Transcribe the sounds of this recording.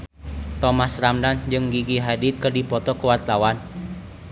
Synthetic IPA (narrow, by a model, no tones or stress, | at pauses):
t̪ɔmasramdand͡ʒɨŋɡiɡiɦadit̪̚kərdipɔt̪ɔkəwat̪awan